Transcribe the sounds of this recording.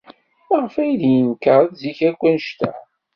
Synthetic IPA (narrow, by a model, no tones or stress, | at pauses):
əʁəfæjðjənkəɾˤəðziçækʷːænəʃt̪æ̰